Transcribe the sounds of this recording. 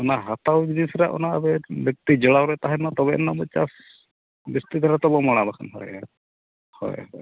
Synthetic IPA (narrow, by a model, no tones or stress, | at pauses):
ɔnaɦat̪awbinisɾaʔɔ̰naːbɛbjɔk̚t̪id͡ʒɔɭawɾɛt̪aɦɛnat̪ɔbɛʔnːamɔt͡ʃas | bist̪id̪ɔɾat̪ɔbɔmɔɽ̃abakʰa̰nɦɔ̰ja̰ | hɔ̰jhɔ̰j